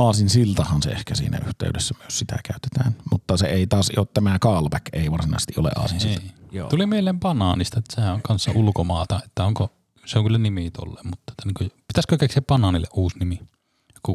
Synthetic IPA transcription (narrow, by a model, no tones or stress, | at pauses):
ɑːsinsilt̪ɑhɑnsḛḛhkæsḭːnæ̰yht̪ḛydesːæmyøssit̪æ̰kæˑyt̪e̥t̪æːnmut̪ːɑseeˑit̪ɑːsḭoːt̪t̪æmækɑːlpækeˑiʋɑrsinɑ̰ˑise̥st̪iʔo̰lḛʔʔɑ̰ːsinsniilːt̪ːtulimielˑeːmpɑnɑnist̪ɑet̪ːæ̥sehæʔoŋkɑnsːɑulukomɑːt̪ɑet̪ːæoŋko | seoŋkylːænimit̪o̰lːḛːmmut̪ːɑt̪ːæniːŋkopit̪æskøkeksiæppɑnɑnilːeʔʔuːsnimi | ku